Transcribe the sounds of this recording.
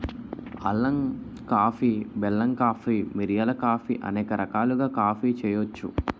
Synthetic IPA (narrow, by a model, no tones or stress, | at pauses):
ɐlːɐŋ | kaːpʰiːbɛlːɐŋkaːpʰiːmiɾijɐlɐkaːpʰḭːʔɐ̰nɛːkɐɾʔɐkaːluɡaːkaːpʰiːt͡ʃɛːjot͡ʃːṵ